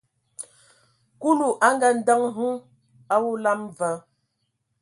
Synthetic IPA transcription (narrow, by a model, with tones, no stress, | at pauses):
ku˦lu˨ʔa˦ŋ˦ɡa˨n̩˦də˦ŋɦu˦ | a˦wu˦la˦mvə˨˦